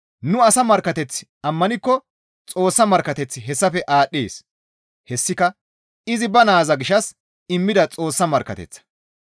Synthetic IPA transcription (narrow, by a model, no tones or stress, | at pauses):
nʊɐsɐmɐɾkːɐt̪ɛt͡sːɪ̥ɐmːɐnɪkːɔ | t͡sʼo̞ːsːɐmɐɾkɐt̪ɛt͡sːɪɦɛsːɐfɛʔaːɗːeːs | hɛsːɪkɐ | ɪzɪbɐnaːzɐɡɪʃɐs | ɪmːɪd̪ɐt͡sʼo̞ːsːɐmɐɾkːɐ̰t̪ɛ̰t͡sːɐ̥